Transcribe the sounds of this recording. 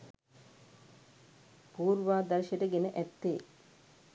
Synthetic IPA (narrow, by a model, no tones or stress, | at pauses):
puːɾʋaːd̪ɐɾʃeʈəɡenəʔæt̪ːeː